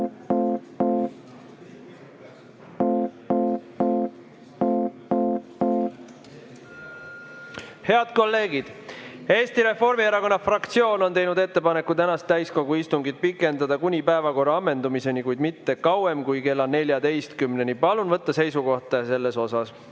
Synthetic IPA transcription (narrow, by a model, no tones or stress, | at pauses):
he̞ɑd̪̥̚ko̞lːe̞ːɡid̪̥e̞ːst̪iɾe̞fo̞rmieɾɑko̞nːɑfrɑkt̪sio̞ːno̞nt̪e̞jnud̪e̞t̪ːe̞pɑne̞kːut̪ænɑst̪ːæjsko̞ɡuist̪uŋɡid̪̥̚pikːˑe̞nd̪ɑd̪ɑkunʲipæevɑko̞rɑɑmːe̞nd̪umise̞nikujd̪mit̪ːe̞kɑwe̞mkujke̞lːɑne̞lʲjɑd̪e̞jst̪kymne̞nipɑlunvɤt̪ːɑse̞jsuko̞ht̪ɑse̞lːe̞so̞sɑs